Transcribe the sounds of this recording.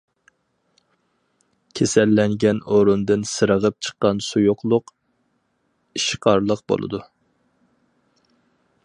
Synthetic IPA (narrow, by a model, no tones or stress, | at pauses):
kʲʰesɛlːɛŋɡʲɛnoɾund̪ɨnsɨɾəʁəp̚t͡ʃʰə̥qːɑnsujoqlˠʊq | iʃqʰɑɾlˠəqbo̰lˠɨ̰d̪u